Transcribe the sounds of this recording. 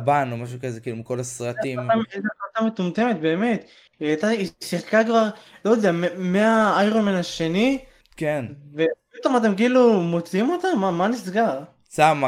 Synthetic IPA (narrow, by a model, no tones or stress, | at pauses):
banomaʃukazekiːlumiko̞lasʁatimmtaat̪amet̪umt̪e̞me̞t̪be̞ːme̞t̪ | iat̪aisiχkakvaʁlojod̪eammeaajʁomenaʃe̞ni | kenvepit̪o̞mat̪̬e̞mkiilumo̞t͡siimo̞t̪amamanisɡaʁ | sama